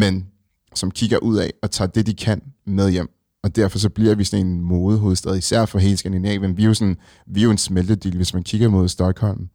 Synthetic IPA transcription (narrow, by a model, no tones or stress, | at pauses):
men | sɒ̽mkʰiɡ̥ɐʔuð̞̰ˠɛɒ̽t͡sʰɑ̰̈ːd̥e̝d̥ikʰænmeð̞ˠjem̰ | ɒ̽d̥æɐfɒ̽s̬ɒ̽b̥liɐ̰ʋisɒ̽ne̝nmoːðˠəɦo̝ːð̞̩ˠd̥eð̩ˠisæɐ̰fɒɦe̝̰ːlsɡ̥ænd̥inɛ̰ːʋenʋiosɒn | ʋioe̝nsmeld̥əd̥yləʋe̝smænkʰiɡ̥ɐmo̝ðˠsd̥ɒ̽ɡ̥hɒ̽l̰m̩